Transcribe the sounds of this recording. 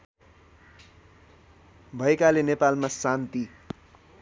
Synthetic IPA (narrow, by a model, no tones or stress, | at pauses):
bʱʌekalenepalmasant̪i